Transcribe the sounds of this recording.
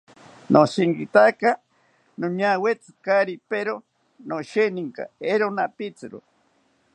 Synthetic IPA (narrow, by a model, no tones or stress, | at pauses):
nosiŋɡit̪aka | noɲawet͡sɨ̥kaɾipeɾo | noʃeniŋka̰eɾonapit͡sɨɾo̰